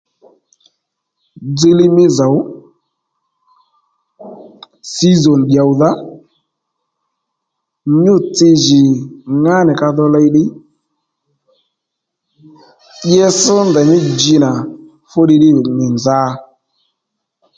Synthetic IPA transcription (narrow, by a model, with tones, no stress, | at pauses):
d͡zɪ˦lɪ˦mɪ˦za˨w | si˦zɔ˨n˨ɗja˨wða˦ | ɲʊ˦˨t͡sɪ˧ʒɪ˨ŋa˦nɪ˨ka˧ðɔ˧lɛ˧jɗɪ˦ | ɓjɛ˦sə˦ndɛ˨ɲɪ˦d͡ʒɪ˧na˨ | fʊ˦ɗɪ˧ɗɪ˦˨nɪ˨nza˦